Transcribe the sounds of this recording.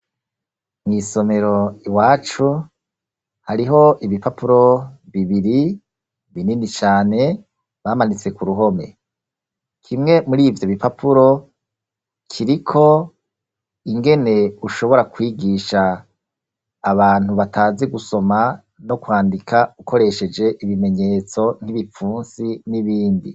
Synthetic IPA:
mŋiːso̞me̞ɾo̞iwaːt͡ʃu | haɾiɦo̞ʔiβipapuɾo̞βiβiɾi | βininit͡ʃaːne̞ | βamanit͡se̞kuɾuɦo̞me̞̰ | kʰimŋe̞muɾiːvjo̞βipapʰuɾo̞ | kʰiɾikʰo̞ | iŋɡe̞ne̞uʃo̞βo̞ɾakwiːɡiʃa | βaːn̥uβatʰaːziɡuso̞ma | no̞kwaːndikʰaukʰo̞ɾe̞ʃe̞d͡ʒe̞ʔiβime̞ɲe̞ːt͡so̞n̥hiβifuːnsiniβiːndi

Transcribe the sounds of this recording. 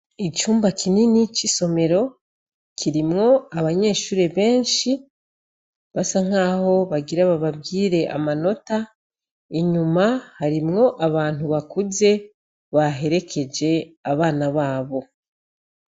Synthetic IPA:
it͡ʃuːmbakʰininit͡ʃiso̞me̞ɾo̞ | kʰiɾimŋo̞aβaɲe̞ːʃuːɾe̞βe̞ːnʃi | βasaŋ̥haːho̞βaɡiɾaβaβabɡiːɾe̞ʔa̰mano̞ta | iɲumahaɾimŋo̞ʔaβaːn̥huβakuze̞ | βaɦe̞ɾe̞kʰe̞d͡ʒe̞aβaːnaβaːβo̞

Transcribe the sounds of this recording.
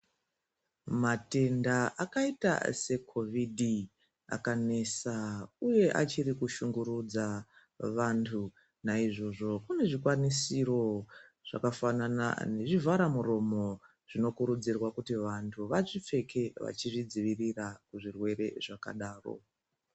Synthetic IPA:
mate̞ndaakaita̰se̞kʰo̞vidʱi | a̰kane̞sauje̞ʔa̰t͡ʃiɾikuʃuŋɡuɾud͡za | ʋantʰu | naiʐo̞ʐo̞kune̞ʐikwanisiro̞ʐ̥a̰kafanana̰ne̞ʐivaɾamuro̞mo̞ | ʐ̥ino̞kuɾud͡zirwakutiʋantʰuʋaʐip͡fe̞ke̞ʋa̰t͡ʃiʐid͡ziʋirirakuʐirwe̞ɾe̞ʐaka̰ɗaːro̞̰

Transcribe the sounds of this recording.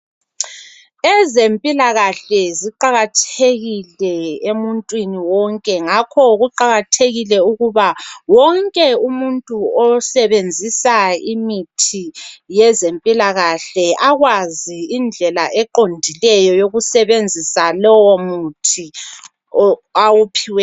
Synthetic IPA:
ɛzempʼilaɣaɬɛziǃaɣatʰeɣilɛemuntʼwiniwɔŋkʼɛŋakʰɔɣuǃaɣatʰeɣilɛuɣuβawɔŋkʼɛumuntʼuɔsɛβend͡zʱisaimitʰijɛzempʼilaɣaɬɛʔaɣwaziːnd͡ɮʱɛlaʔɛǃondʱilɛjɔjoɣusɛβend͡zʱisalɔwɔmutʰi | awupʰiwɛ

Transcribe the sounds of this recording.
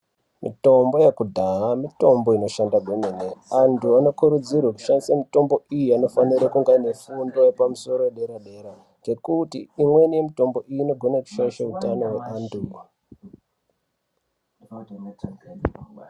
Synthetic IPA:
mito̞mbo̞jekudʱaɦamito̞mbo̞ino̞ʃandaɡʱwemeneantʰuano̞kuɾud͡zirwaku̥ʃandisamito̞mbo̞ʔijiano̞faniɾekuŋɡaine̞fundo̞jepamuso̞ɾo̞eɗe̞ɾaɗe̞ɾa | ŋɡe̞kutḭimwe̞nije̞mito̞mbo̞ʔiino̞ɡʱo̞naku̥ʃajeʃeutano̞weʔaːndu

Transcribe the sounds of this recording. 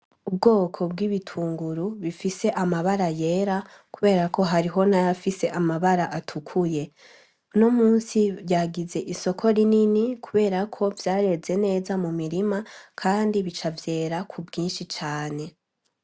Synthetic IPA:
ubɡo̞ːkʰo̞bɡiːβitʰuːŋɡuɾuβifise̞ʔamaβaɾajeɾa | kuβe̞ːɾako̞ɦaɾiɦo̞najafise̞ʔamaβaɾaʔatʰukʰuje̞ | nomuːnsibjaɡize̞ʔiso̞kʰo̞ɾininikʰuβe̞ːɾakʰo̞vjaːɾe̞ze̞ne̞ːzamumiɾimakʰaːndiβit͡ʃavje̞ːɾakʰubɡiːnʃit͡ʃaːne̞

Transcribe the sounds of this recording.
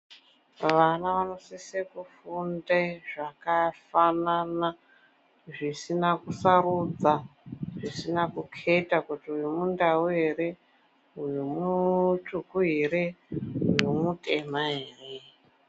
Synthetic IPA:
ʋanaʋano̞sisekufundeʐakafanana | ʐisinakusaɾud͡zaʐisinakukʰetakutiujimundawueɾe | ujumutukuɦeɾeujumutʰʼe̞maɦeːre

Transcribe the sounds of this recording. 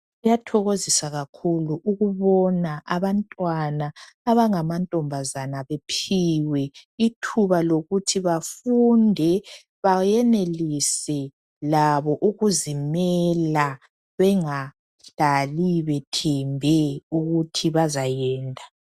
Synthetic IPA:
ujatʰɔɣozisaɣakʰuluʔuɣuβɔnaʔaβantʼwanaː | βaŋamantʼɔmbʱazanaβepʰiwɛitʰuβaloɣutʰiβafundʱɛ | βajɛnelisɛ | laβɔʔuɣuzimɛla | βɛŋa | ɬaliβɛtʰɛmbʱɛuɣutʰiβazajɛːntʼḁ

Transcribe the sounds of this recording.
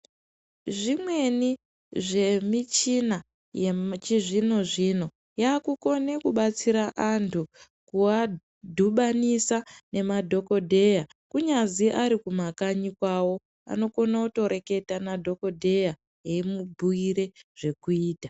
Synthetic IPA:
ʐimwe̞ni | ʐe̞mit͡ʃina | jet͡ʃiʐino̞ʐino̞ | jaːkuko̞ne̞kuɓat͡siɾaʔantʰu | kua | dʱuɓanisane̞madʱo̞ko̞dʱe̞ja | kuɲaziʔaɾikumakaɲikwawo̞ | a̰no̞ko̞nauto̞ɾe̞ke̞tanadʱo̞ko̞dʱe̞ja | jeimubʱuiɾe̞ʐ̥e̞kuiːtḁ

